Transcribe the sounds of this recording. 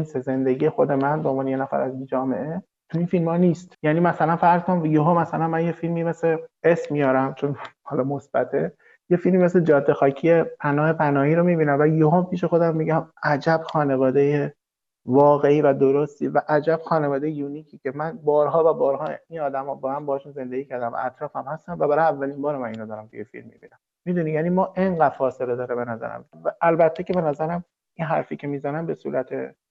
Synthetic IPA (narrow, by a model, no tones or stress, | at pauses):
nseze̞nd̪eɡije̞xo̞d̪e̞mænbeonmbɒːneje̞næfæ̰ɾæzind͡ʒɒːme̞̰ʔe̞ | t̪ʰuinfilmhɒːniːst̪jæːniːmæsælænfæɾzkonjoɦomːæsælænmænjefilmime̞sleesmmijɒːɾæmt͡ʃʰo̞nhɒːlɒːmo̞sb̥æt̪ʰe | je̞filmiːme̞sled͡ʒɒːd̪ːe̞xɒːcʰijepʰænɒːhe̞pʰænɒːhiːɾomibiːnæmvæjoɦompiːʃe̞xo̞d̪æmːiːɟæmæd͡ʒæb̥xɒːne̞vɒːd̪e̞je | vɒːɣe̞iːvæd̪o̞ɾost̪iːvæʔæd͡ʒæb̥xɒːnevɒːd̪ejejuːnikʰiːcʲʰe̞mænbɒːɾɦɒːvæbɒːɾɦɒːinɒːd̪æmɒbɒːmæmbɒːhɒʃunze̞nd̪eɡiːcʰæɾd̪æmæ̰ʔæ̰t̪ɾɒːfæmhæst̪ænvæbæɾɒjævːælimbɒːɾomæniːnod̪ɒːɾæmt̪ʰujefḭlmːḭbḭnæm | mid̪unijænimɒːʔe̞ŋɢæd̪̥fɒːse̞le̞d̪ɒːɾebe̞næzæ̰ɾæ̰mvæʔːlbæt̪ʰːe̞cʰe̞be̞næzæɾæm | inɦæɾfiːcʰe̞miːzænæmbe̞sṵːɾʔæt̪ʰḛ